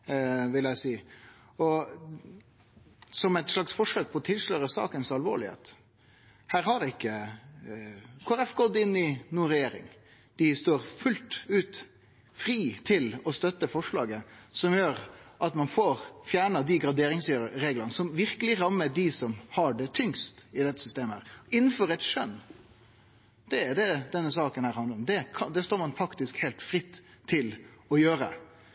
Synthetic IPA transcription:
ʋɪlæɪsiː | ɔ | sɔmɛɪt̪ʂɭɑksfɔʂøːk̚pʰɔːt̪ʰɪlʂløːɾəsɑ̰ːkənsɑlʋo̰ːɭɪhḛːt̪ | hæːɾhɑɾɪkːə | kʰoːɾɛfkoːd̪ɪnːɪnuːɾɛjeːɾɪ̰ŋ | d̪̥ɪst̪oːɾfʉlt̪ʉːt̪ | fɾiːt̪ʰɪlɔst̪œt̪ːəfɔʂɭɑːɡəsɔmjøːɾʔɑt̪mɑnfoːɾfjæːɳɑd̪ɪɡɾɑd̪eːɾɪŋsøɾəɾeːɡlənəsɔmʋɪɾkəlɪɾɑmːəɖɪsɔmhɑɖɛt̪ʰʏŋst̪ɪd̪ɛt̪ːəsʏst̪eːməhæ̰ːɾɪnːn̩fɔɾɛt̪ʂœ̰nː | d̪̥ɛd̪ɛd̪ɛnːəsɑːkənhæːɾhɑnd̪əɾɔmd̪ɛkʰɑd̪ɛst̪oːɾmɑnfɑkt̪ɪskhɛːlt̪fɾɪt̪ʰːɪlɔjøːɾə̰

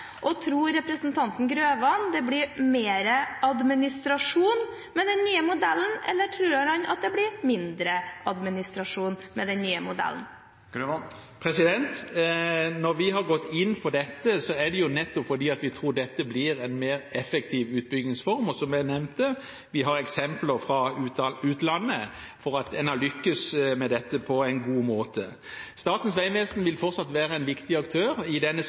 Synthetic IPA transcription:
ʔɔt̪ʰɾuːɾːɛpɾəsn̩t̪ʰɑnt̪n̩ɡɾøːʋɑnd̪ɛblɪɾmeːɾəɑd̪mɪnɪst̪ɾɑʂuːn | mɛd̪ɛnːyːəmʊd̪ɛlːən̩ɛlːəʈʰɾʉːɾɑhɑnɑ̰t̪̚d̪ɛblɪɾmɪnd̪ɾəɑd̪mɪnɪst̪ɾɑʂuːnmɛd̪ɛnːyːəmʊd̪ɛ̰lə̰n̩ | pʰɾɛsɪd̪ɛnt̪ | nɔɾʋɪɦɑɾɡɔt̪ːɪnːfɔɖɛt̪ːəsɔæd̪ɛjʊnɛt̪ːɔpfɔd̪iːɑt̪ʋɪt̪ʰɾuːɖ̪ɛt̪ːəblɪɾɛnmeːʁɛfɛk̚t̪ʰiːʋʉːt̪̚bʏɡnɪŋsfɔɾmɔsɔmʋæɪnɛʋnt̪ə | ʋɪɦɑɾɛksɛmpləɾfɾɑʉːt̪lɑnːəfɔɾɑt̪ɛnɑlʏkːəsmɛd̪ɛt̪ːəpʰɔæɪnɡuːmoːt̪ʰə | st̪ɑːt̪n̩sʋæɪʋeːsnʋɪlfɔɾt̪sɑt̪ʋæːɾəɛnʋɪkt̪ɪɑkt̪ʰøːɾɪd̪ɛnːə

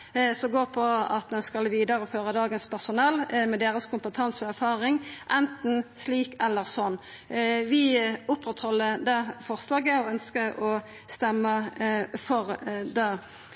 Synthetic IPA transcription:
sɔɡoːʁpʰɔɑ̰t̪̚d̪ɛnskɑlʋiːd̪əɾəɔføːʁəd̪ɑːɡənspʰæʁsʊnɛlːmɛd̪eːʁəskʰʊmpət̪ʰɑnsəæʁfɑːʁɪŋʔɛnt̪n̩sliːkɛlːəʁsɔnː | ʋɪʊpɾɛt̪hɔlːəd̪ɛfɔʁslɑːɡəɔœnskəʔɔ | st̪ɛmːəfɔʁd̪e

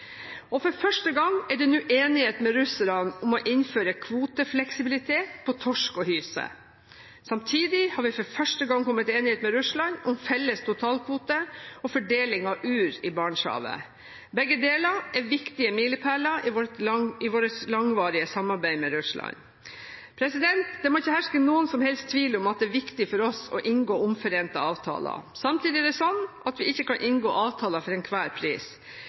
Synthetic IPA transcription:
ɔfɔɾfœʂʈəɡɑŋɛɖɛnʉːʔeːnɪheːt̪mɛɾʉsəɾɑnʊmɔʔɪnføːɾəkʰʋuːt̪əflɛksɪbɪlɪt̪ʰeːt̪pʰɔt̪ʰɔʂkɔhyːsə̰ | sɑmt̪ʰiːd̪ɪhɑːɾʋɪfɔɾfœʂʈəɡɑŋkʰɔmːət̪eːnɪheːt̪mɛɾʉʂlɑnʊmfɛlːəst̪ʰʊt̪ʰɑːlkʰʋuːt̪əɔfɔɖeːlɪŋɑʉːɾɪbɑːɳʂɑ̰ːʋə̰ | bɛɡːəd̪eːlɑɛʋɪkt̪ɪəmiːləpʰæːlɑɪ | ɪʋoːɾəslɑŋʋɑːɾɪəsɑmɑɾbæɪmɛɾʉʂlɑ̰ɲ | pʰɾɛsɪd̪ɛnt̪d̪ɛmɔɪçːəhæʂkənuːənsɔmhɛlst̪ʰʋiːləɔmɑt̪̚d̪ɛːʋɪkt̪ɪfɔɾɔsɔ̰ʔɪnɡoːʊmfɔɾeːnt̪ɑɑːʋt̪ʰɑ̰ːlɑ̰sɑmt̪ʰiːd̪ɪɛɖ̪ɛsɔn | ɑt̪ʋɪɪçːəkɑnʔɪnɡoːʔɑːʋt̪ʰɑːlɑfɔɾɛnkʰʋæːɾpʰɾḭːs

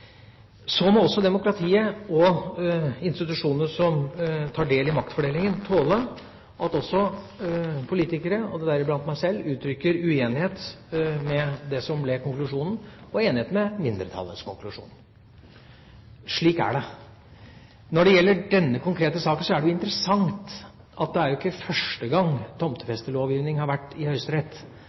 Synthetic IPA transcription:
sɔmɔɔsːɔd̪ɛmʊkɾɑt̪ʰiːəɔ | ɪnst̪ɪt̪ʉʂuːnəsɔmt̪ʰɑːɖeːlɪmɑk̚t̪fɔɖeːlɪŋənt̪ʰoːlə | ʔɑt̪ɔsːɔ | pʰʊliːt̪ɪkəɾəɔd̪ɛd̪æɾɪblɑnt̪mæɪsɛlːʉːt̪ɾʏkːəɾʉeːnɪheːt̪mɛd̪ɛsɔmblɛkʰʊŋklʉʂuːnən̩ɔeːnɪheːt̪mɛmɪnd̪əɾt̪ʰɑ̰lːə̰nskʊŋklʉʂṵːn | ʂɭiːkæ̰ɖɛ | nɔɖɛjɛlːəɖɛnːəkʰʊŋkʰɾeːt̪əsɑːkən̩sɔæɖɛjʊɪnt̪əɾəsɑŋt̪ | ɑt̪̚d̪ɛæɾjʊɪkːəfœʂʈəɡɑŋt̪ʰɔmt̪ə̥fɛst̪əloːʋjiːʋnɪŋhɑɾʋæʈːɪhœʏst̪əɾɛt̪ː

